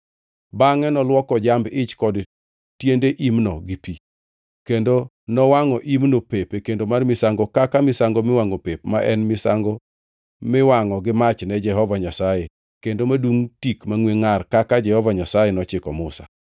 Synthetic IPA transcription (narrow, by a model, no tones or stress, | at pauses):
baŋɛnɔlwɔkɔd͡ʒambɪt͡ʃkɔd | tjendeʔimnɔɡɪpi | kendo | nɔwaŋɔʔimnopepekendomarmɪsaŋɡɔkakamɪsaŋɡomɪwaŋopepmaʔɛnmɪsaŋɡo | mɪwaŋɔɡɪmat͡ʃnɛd͡ʒɛɦɔvaɲasaje | kendomaduŋtikmaŋweŋarkakad͡ʒɛhɔvaɲasajenɔt͡ʃɪkɔmʊsa̰